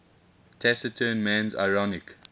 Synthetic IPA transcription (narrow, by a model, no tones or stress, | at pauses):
tʰɛsətʰənmæ̃nza̰ɪɹɔnɪk